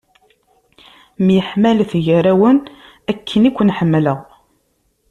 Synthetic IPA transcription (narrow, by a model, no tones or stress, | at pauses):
mjəħmælθʝəɾæwən | ækʰːənikʷːnħəmːləʁ